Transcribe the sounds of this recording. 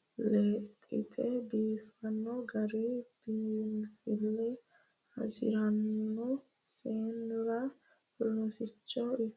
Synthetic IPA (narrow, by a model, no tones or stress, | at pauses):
let̪ʼɪ̰t̪ʰʼɛbiːfɐnːɔɡɐɾeb̥iːnfɪlːɛ | ɐ̰sɪ̰ɾɐnːɔ | seːnʊɾɐ | lɔsɪt͡ʃːɔɪ